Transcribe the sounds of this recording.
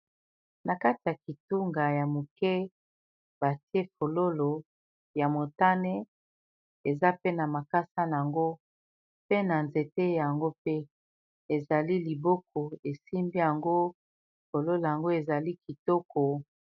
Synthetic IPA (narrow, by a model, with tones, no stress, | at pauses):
na˨ka˦ti˨ja˨ki˨tu˦ŋɡa˨ja˨mu˨kɛ˦ | ba˨ti˦e˦fo˨lo˦lo˨ | ja˨mo˨ta˦ne˦ | e˨za˦pe˦na˨ma˨ka˦sa˦na˨a˨ŋɡo˦ | pe˦na˨nze˨te˦ja˨ŋɡo˦pe˦ | e˨za˨li˦li˨bo˦k̚ɔ˨e˨si˦mbi˦ja˨ŋɡo˦ | fo˨lo˦lo˨ja˨ŋɡo˦e˨za˨li˦ki˨tɔ˦kɔ˨